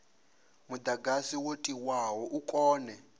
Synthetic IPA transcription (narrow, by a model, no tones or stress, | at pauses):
mud̪aɡasiwotʼiwawɔʔukʼɔːnɛ